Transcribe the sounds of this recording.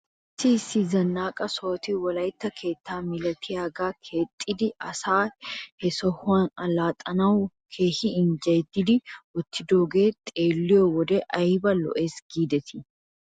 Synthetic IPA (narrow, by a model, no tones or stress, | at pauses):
siːsizɐnːaːkʼɐso̞ːt̪iwɐlɐjt̪ːɐkʰe̞ːt̪ʰːaːmɪlɐt̪ʰɪjaːɡaːkʰe̞ːt̪ʼːɪd̪ɪɐsaːhɛsɔhʊanɐlaːt̪ʼɐnɐwʊ | kʰeːhɪːnd͡ʒɐd̪ɪd̪ɪwɔt̪ːɪd̪oːɡeːt̪ʼeːlːɪjowɔd̪ɛʔɐɪbɐlɔ̰ʔeːsɡ̥iːd̪ɛt̪ʰɪ̥